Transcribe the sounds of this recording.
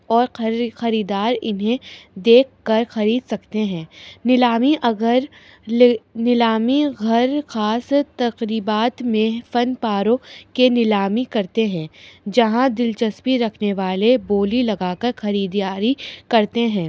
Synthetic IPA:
ɔːɾxɐɾiːd̪aːɾɪ̰nɦẽd̪eːkʰːɐɾxɐɾiːd̪sɐkt̪eɦɛ̃ːnɪlaːmiʔɐɡəɾ | nɪlaːmiɡʱɐɾxaːst̪ɐqɾiːbaːt̪mẽfɐnpaːɾõkenɪlaːmikɐɾt̪eɦɛ̃ːd͡ʒɐɦãd̪ɪlt͡ʃɐspiɾɐkʰneʋaːleboːlilɐɡaːkɐɾxɐɾiːd̪jaːɾikɐɾt̪eɦɛ̃ː

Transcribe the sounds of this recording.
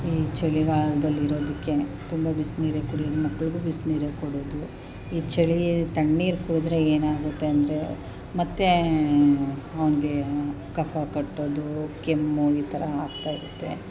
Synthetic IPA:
iːt͡ʃeɭiɡaːɭɐd̪ɐlːiɾo̞ːd̪ikːe̞t̪umbɐbisniːɾekuɽijɐd̪umɐkːɐɭiɡubisniːɾekoɽoːd̪u | iːt͡ʃɐɭit̪ɐɳːiːɾkuɽud̪ɾe̞eːnaːɡut̪ːe̞ɐnd̪ɐɾe̞ | mɐt̪ːe̞ | ɐʋɐniɡe̞ | kɐfʰakɐʈːoːd̪ukemːuiːt̪ʰɐɾɐaːɡt̪aːjiɾut̪ːe̞̰

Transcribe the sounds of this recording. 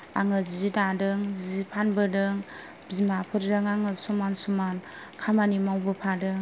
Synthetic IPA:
a̰ŋɯzizidadɯŋzizipʰanbɯdɯŋ | bzimapʰɯɾdɯŋaŋɯsumansuman | kʰamanimawbɯpʰadɯŋ

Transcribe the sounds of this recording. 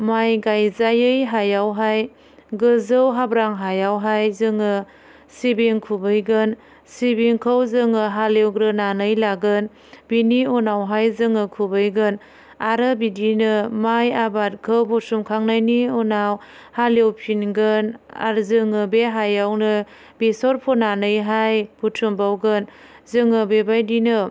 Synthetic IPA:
majɡajzajɯjɦajawɦaj | ɡɯzɯwɦabɾaŋɦajawɦajzɯŋɯ | sibeŋkʰubɯjɡɯn | sibeŋkʰəwzɯŋɯɦalewɡɾɯnanɯjlaɡɯn | biniunawɦajzɯŋɯkʰubɯjɡɯn | aɾɯbidinɯmajabat̚kʰɯwbutʰumkʰaŋnajniunaw | halewpʰinɡɯna̰ɾzɯŋɯbeɦajawnɯ | bisɔɾpʰɔnanɯjɦajb̥utʰumbawɡɯnzɯŋɯbebajdinɯ

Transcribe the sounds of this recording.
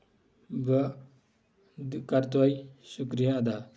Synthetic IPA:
bə | kaɾt̪uajsukɾijaːd̪a

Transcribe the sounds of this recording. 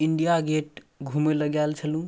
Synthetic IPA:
iɳɖijaɡeʈ | ɡʱumeləɡalt͡ʃʰəlũ

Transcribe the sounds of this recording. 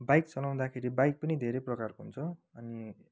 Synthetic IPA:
bajk̚t͡sʌlaw̃d̪akʰeɾibajk̚pʌnid̪ʱeɾejprʌkarkoɦunt͡sʰʌʌni

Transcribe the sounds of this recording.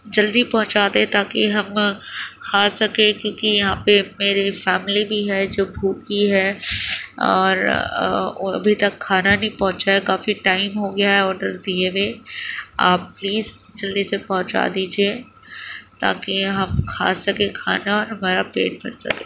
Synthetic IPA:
d͡ʒɐld̪ipɐɦʊ̃t͡ʃaːd̪ẽt̪aːkiɦɐmkʰaːsɐkẽkjõːkijɐɦãpemeːɾifɛːmlibʱiɦɛd͡ʒoːbʱuːkiɦɛː | ɔ̰ːɾ | oɐ̰bʱit̪ɐkʰːaːnanɐɦĩpɔ̃ɦʊ̃t͡ʃaekaːfiʈaːɪmɦoɡɐjaɦɛɔːɾɖəɾd̪ieʋe | aːpːliːz | d͡ʒɐld̪isepɐɦʊ̃t͡ʃa̰d̪iːd͡ʒie | t̪a̰ːkiɦɐmkʰa̰ːsɐkekʰa̰ːnaɔːɾɦɐmaːɾapḛːʈ̚bʱɐ̰ɾsɐ̰kẽː

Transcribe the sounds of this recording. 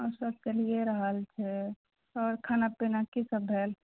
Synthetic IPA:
ɔɾsəb̚t͡ʃəlieɾəɦəlt͡ʃʰɛ | ɔːɾkʰaːnapinakisəbʱɦeːl

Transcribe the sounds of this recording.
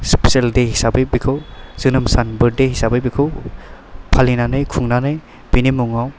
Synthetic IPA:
speseldehisabɯjbikʰɯwz̥ɯnɯmsanbɯɾ̚dehisabɯjbikʰɯw | pʰalinanɯjkʰuŋnanɯj | b̥inimuŋaw

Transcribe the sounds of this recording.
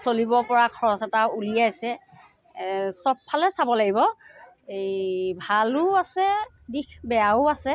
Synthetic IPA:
solibɔpɔɹakʰɔɹɔsɛtaulijajsɛ | sɔb̚pʰːalɛsabɔlaɡibɔ | ebʱalʊasɛ | dikbɛaʊasɛ

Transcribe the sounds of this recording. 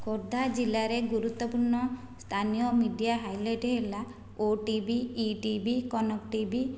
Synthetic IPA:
koɾd̪ʱad͡ʒilaɾeɡuɾut̪ːɔpuɾɳɔ | st̪ʰanijɔmiɖijaɦajleʈɦela | oʈibiːʈibikɔnɔk̚ʈibi

